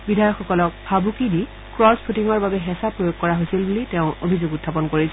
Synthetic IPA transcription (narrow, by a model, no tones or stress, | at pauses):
bidʱajɔkxɔkɔlɔk̚bʰʱabukidi | kɹɔspʰutiŋɔɹbabɛɦɛsapɹojoɡ̚kɔɹaɦojsilbulitɛʊ̃obʱizoɡutʰːap̬ɔnkoɹisʰɛ